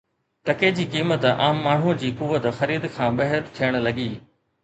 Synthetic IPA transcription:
t̪ɐked͡ʑiːkiːmət̪a̰ːmːaːɳ̤ud͡ʑiːkʊʋət̪xɐɾiːd̪kʰãːbɐɦəɾt̪ʰijəɽ̃̆lɐɡiː

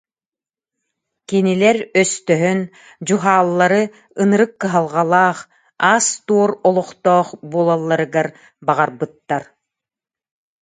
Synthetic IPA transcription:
kinilɛɾœst̪œɦœn | d͡ʑuɦaːlˠːaɾɯ | ɯnɯɾɯkːɯɦalˠʁalˠaːχ | aːst̪uɔɾɔlˠɔχt̪ɔːχbuɔːlˠalˠːaɾɯɡaɾ | baʁaɾbɯt̪ːaɾ

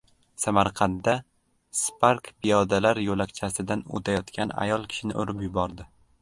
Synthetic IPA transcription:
samaɾqʰɑnd̪ːa | spaɾkpʰɪjɒd̪alaɾjolakʲt͡ʃʰasɪd̪ano̰t̪ʰajɒt̪kʲʰana̰jɒlˠkʲʰɪ̥ʃɪnɪ̰ʔo̰ɾɪpjʊbɒɾd̪ɪ

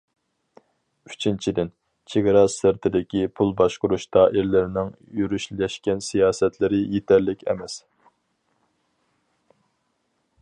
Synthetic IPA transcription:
yt͡ʃʰint͡ʃʰid̪ɪn | t͡ʃʰeɡʲɑɾɑsɪɾt̪ʰɪd̪ɪkʲipʰulˠbɑʃqʊɾuʃt̪ʰɑːʔɪɾlɪɾɪnɪŋ | jyɾyʃlɛʃkʲɛnsijɑːsɛt̪ʰlɪɾɪjet̪ʰɛɾlɪkʲɛ̰mɛs

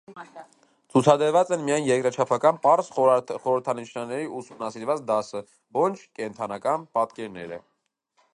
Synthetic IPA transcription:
t͡sʰut͡sʰɑd̪əɾvɑt͡sɛnmijɑjnjɛkɾɑt͡ʃʰɑpʰɑkɑnpɑɾsχɔɾəɾt̪ʰɑnit͡ʃʰnɑɾnɛɾiusumnɑsiɾvɑt͡sd̪ɑsə | vɔnt͡ʃʰkɛnt̪ʰɑnɑkɑnpɑt̪kɛɾnɛ̰ɾə̰

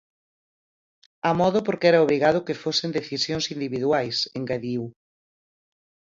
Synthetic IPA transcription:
amɔðʊpoɾkɛɾɐoβ̞ɾiɣað̞ʊkefosend̪eθisjõŋsind̪iβiðwajseŋɡaðiw

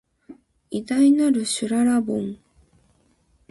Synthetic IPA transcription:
id̪ainaɾɯ̟ɕɨɾaɾabõŋ

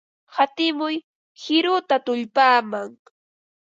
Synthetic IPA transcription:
hat̪ɪmʊj | hɪɾʊt̪at̪ʊʎpaːmaŋ

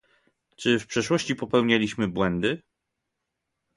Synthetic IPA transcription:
t͡ʂɘfpʂɛʂwɔɕt͡ɕipɔpɛwɲalʲiɕmɘbwɛnd̪ɘ

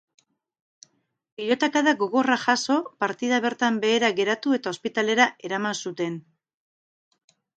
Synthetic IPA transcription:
piʎo̞t̪akaðaɡo̞ɣo̞raʝaso̞paɾt̪iðaβ̞e̞ɾt̪ambe̞ːɾaɣe̞ɾat̪ue̞t̪ao̞spit̪ale̞ɾaʔe̞ɾamansut̪e̞n

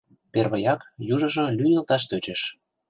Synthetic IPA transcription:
perβəjɑkjuʒɤ̆ʒɤ̆lʲyjelt̪ɑʃ̬t̪øt͡ɕĕʃ

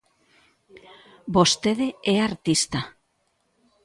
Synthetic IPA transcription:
bost̪eðeeaɾt̪ist̪a

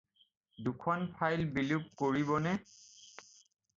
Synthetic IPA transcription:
dukʰɔnpʰajlbilup̚koɹibɔnɛ

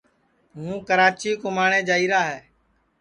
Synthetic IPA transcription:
ɦũːkəɾaːt͡ʃiːkʊmaːɳẽːd͡ʒaːiːɾaːɦɛː

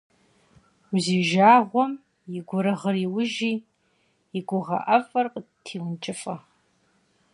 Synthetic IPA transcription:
uziːʒaːʁʷɔm | jɪɡʷʊɾɐʁəriːwʊʒiː | jɪɡʷʊʁɐ̰ʔɐfʼɐrqʼətʰiːwʊnt͡ʃʼɪfʼɐ

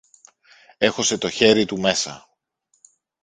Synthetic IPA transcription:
e̞xo̞se̞t̪o̞çe̞ɾit̪ume̞sɐ̰

